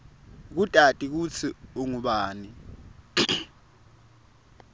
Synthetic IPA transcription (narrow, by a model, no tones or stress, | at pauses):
k̬utʼatʼik̬ut͡sʰiuŋuɓaːni